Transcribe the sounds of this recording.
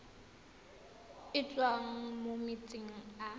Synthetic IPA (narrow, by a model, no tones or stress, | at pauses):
ɪt͡ɬʼwaŋ̩momɪt͡sʼɪŋ̩a